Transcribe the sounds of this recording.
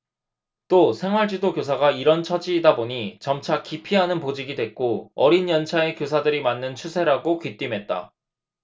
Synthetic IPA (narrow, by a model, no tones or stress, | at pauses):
t͈osʰe̞ŋɦwaɭd͡ʑidokjos̬ʰaɡaiɾʌnt͡ɕʰʌd͡ʑiːdaboɲit͡ɕʌmt͡ɕʰakipʰiɦanɯnpod͡ʑiɡidwe̞k̚k͈oʌɾinjʌnt͡ɕʰae̞kjos̬ʰadɯɾimanːɯnt͡ɕʰusʰe̞ɾaɡokit͈imɦe̞t̚t͈a̰